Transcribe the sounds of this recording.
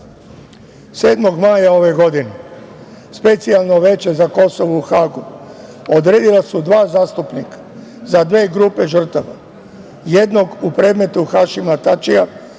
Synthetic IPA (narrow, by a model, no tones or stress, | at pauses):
se̞ːd̪mo̞ɡmaːjao̞ʋe̞ɡo̞d̪ine | spet̪sialnoʋe̞t͡ʃe̞zako̞so̞ʋuːxaːɡu | od̪ɾe̞ːd̪ilasud̪ʋaːzaːst̪upnikḁ | zad̪ʋe̞ːɡɾupe̞ʒr̩t̪aʋa | je̞d̪no̞ɡupɾe̞ːd̪me̞t̪uxaʃimat̪at͡ʃija